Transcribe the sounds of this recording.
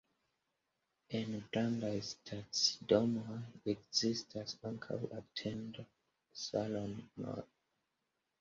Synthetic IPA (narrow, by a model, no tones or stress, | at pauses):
inbɾandajstʰatsdomaekzistʰasãŋkʰa̰watʰẽnd | salonma̰